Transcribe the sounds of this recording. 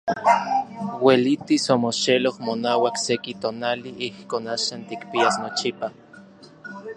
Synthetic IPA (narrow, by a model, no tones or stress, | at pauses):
welit̪isomoʃelohmonaːwaksekit̪onaliʔihkoːnaʃant̪ikpiasnot͡ʃipa